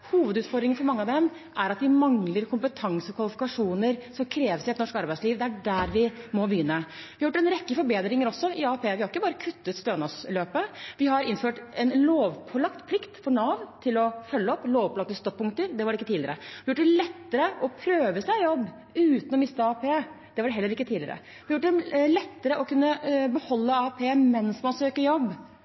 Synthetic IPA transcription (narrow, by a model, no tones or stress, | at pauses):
huːʋəd̪ʉːt̪fɔɾd̪ɾɪŋnfɔɾmɑŋːəɑʋd̪ɛm | ʔæɾɑt̪ʋɪmɑŋləɾkʰʊmpət̪ʰɑŋsəɔkʰʋɑlɪfɪkɑʂuːnəɾsɔmkʰɾeːʋəsɪɛt̪nɔʂkɑɾbæɪsliːʋd̪ɛæɖæɾʋɪmɔbəjʏnːəʋɪhɑjʊʈːɛnɾɛkːəfɔɾbeːd̪ɾɪŋəɾɔsːɔʔɪɑːpʰeːʋɪhɑɾɪkːəbɑːɾəkʰʉt̪ːət̪st̪øːnɑsløːpəʋɪhɑɾɪnføːʈɛnloːʋpʰɔlɑkt̪pʰlɪkt̪fɔɳɑʋt̪ʰɪlɔfœlːəɔpːloːʋpɔlɑk̚t̪əst̪ɔk̚pʰʊŋkt̪əɾd̪ɛʋɑɖɛɪkːət̪iːd̪lɪəɾəʋɪɑjʊʈːd̪ɛlɛt̪ːəɾəʔɔpʰɾøːʋəsæɪjɔbː | ʉːt̪ənɔmɪst̪əɑːpʰeː | d̪̥ɛʋɑɖɛɦɛlːəɾɪkːət̪ʰiːd̪lɪəɾə̰ | ʋɪɑjʊʈːd̪ɛlɛt̪ːəɾəʔɔkʉnːəbəhɔlːəɑːpʰeːmɛnsmɑnsøːkəɾjɔbː